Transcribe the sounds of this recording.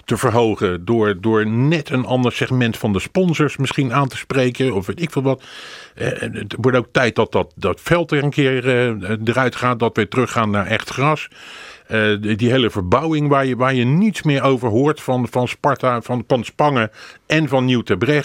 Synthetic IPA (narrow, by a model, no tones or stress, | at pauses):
təvəɹɦowχədʊːɹdʊːɹnɛtənɑndəɹsɛχmɛntfɑndəspɔnzəɹsmɪsχinaːntəsprejkəɔfʋejtɪkfɪːlˠʋɑt | tʋɔɹtowk̚tɛjt̚dɑt̚dɑt̚dɑtfɛlˠtɛrənkɪːɹədərœɥtχaːt̚dɑtʋɪtərɵχaːnːaːɹʔɛχtχrɑs | ədiɦejləvəɹbɑwɪŋʋaːɹjəʋaːɹjənitsmɪːɹowvəɹɦʊːɹtfɑnvɑnspɑɹtavɑnfɑnspɑŋəʔɛnvɑnːiwtɛbrɛχ